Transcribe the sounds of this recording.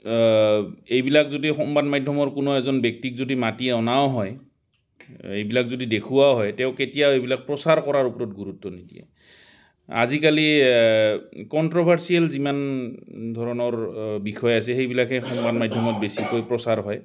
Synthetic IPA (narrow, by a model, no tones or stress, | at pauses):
ejbilakzodixɔmbadmadʱɔmɔɹkʊnoɛzɔnbɛk̚tikzodimatiɛɔnaoɦɔj | ejbilakzodidekʰuwaɦɔjtɛʊ̃ketijawejbilak̚pɹɔsaɹkɔɹaɹupɔɹɔt̚ɡuɹutːɔnidḭɛ̰ | a̰zikali | kɔntɹɔbʱaɹsiɛlzimandʱɔɹɔnɔɹbixʰɔjasɛxejbilakɛxɔmbadmajdʱɔmɔt̚besikojpɹɔsaɹɦɔj